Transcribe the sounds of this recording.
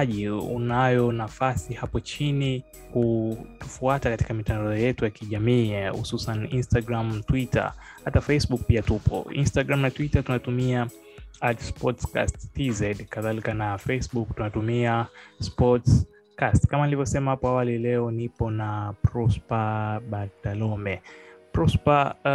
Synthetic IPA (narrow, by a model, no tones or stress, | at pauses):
ʄiṵnajɔnafasihapɔt͡ʃini | kutu̥fuatakati̥kamitandazɔjɛtujakiʄamiːhṵsusaninstaɡɾamtwita̰hatafɛsɓuk̚piatupɔ̰ḭnstaɡɾamnatwitatunatumia | atspɔtska̰sttizɛdkaðalikanafɛsbuktunatumiaspɔts | kastkamanilivjɔsɛmahapɔhawalilɛɔnipɔnapɾɔspaɓak̚talɔmbɛpɾɔspa